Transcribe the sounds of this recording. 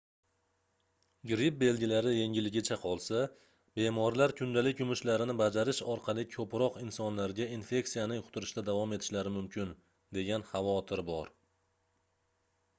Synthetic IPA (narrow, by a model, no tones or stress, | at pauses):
ɡʲɾɪp̚be̞lɡʲɪlaɾɪje̞ŋʲɪlːɪɡʲɪt͡ʃʰaqʰɒlˠsa | b̥e̞mɒɾlaɾkʲʰʊnd̪alɪkʲʊmʊʃlaɾɪnɪbad͡ʒaɾɪʃɒɾqʰɑlˠɪkʲʰɵpɾɒqɪnsɒnlaɾɡʲainfe̞ksijanɪŋqʰʊ̥t̪ʰʊɾɪʃt̪ad̪avɒme̞t̪ʰɪ̥ʃlaɾɪmʊmkʰʲɪn | d̪e̞ɡʲanχɑvɒt̪ʰɪɾbɒɾ